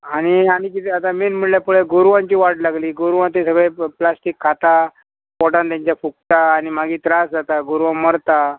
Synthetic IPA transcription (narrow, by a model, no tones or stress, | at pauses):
aɽ̃iaɽ̃ikit̪iat̪amiːnm̤əɽljapuɭeɡoɾʋãɲt͡ɕiːʋaʈlaɡliːɡoɾʋãt̪̬esəɡɭeplasʈikʰːat̪a | pɔʈãnt̪jãɲt͡ɕjafuk̚t̪aːñimaɡiːt̪ɾasd͡zat̪aɡuɾʋaməɾt̪a